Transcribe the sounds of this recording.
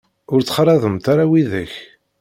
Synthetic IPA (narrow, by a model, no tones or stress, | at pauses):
ʊɾt͡sːχɾˤɑðˤəmt̪aɾawiðəç